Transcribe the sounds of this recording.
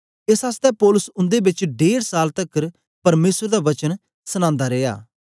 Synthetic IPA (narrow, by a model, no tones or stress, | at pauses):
ɪsɦaːst̪ɛpɔːlʊsʊ̃nd̪ebɪt͡ʃɖeːɾsaːlt̪ɐkːɾ | pɐɾmeːsəɾd̪aʋɐt͡ʃən | səñãːnd̪aɾeːja̰ː